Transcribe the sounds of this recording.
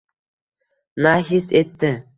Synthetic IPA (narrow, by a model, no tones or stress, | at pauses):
naɦiset̪ːɪ